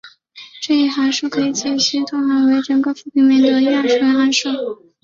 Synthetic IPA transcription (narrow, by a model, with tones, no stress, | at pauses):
ʈ͡ʂɤ˥˧i˥˩xa˧˥ɪʂ̩˥˩kʰɤ˧˥i˧˩t͡ɕɛ˥˩ɕy˥t̪ʰʊ˥ŋxa˧˥we˧˥ɪʈ͡ʂɤ˧˥ŋkɤ˧˥fu˥˩pi˧˩nmjɛ˥˩nd̪ə˧˩y˥a˥˩ʈ͡ʂu˥˩˧a˥ʂu˥˩